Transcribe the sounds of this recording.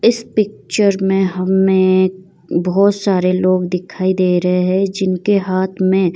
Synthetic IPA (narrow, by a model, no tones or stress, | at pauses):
ɪspɪk̚t͡ʃəɾmẽɦɐmːẽ | bɔːt̪saːɾeloːɡd̪ɪkʰaːid̪eːɾɐɦeɦɛ̃d͡ʒɪnkeɦaːt̪ʰmẽ